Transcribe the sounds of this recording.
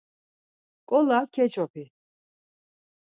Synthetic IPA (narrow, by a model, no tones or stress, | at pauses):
kʼɔlakʰɛt͡ʃʼɔpʰi